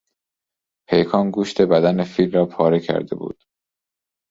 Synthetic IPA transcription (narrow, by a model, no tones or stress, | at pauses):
pʰejkʰɒːnɡuːʃt̪ʰe̞bæd̪ænefiːlrɒːpʰɒːɾecʰæ̰ɾd̪e̞̰bṵːd̪̥